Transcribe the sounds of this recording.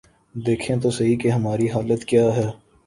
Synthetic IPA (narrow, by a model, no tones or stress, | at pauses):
d̪eːkʰẽt̪osɐɦikeɦɐmaːɾiɦaːlət̪kjaːɦɛː